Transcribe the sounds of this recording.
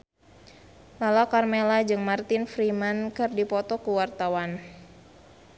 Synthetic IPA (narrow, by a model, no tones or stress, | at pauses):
lalakarmelad͡ʒɨŋmart̪infɾimankɨrdipɔt̪ɔkuwart̪awan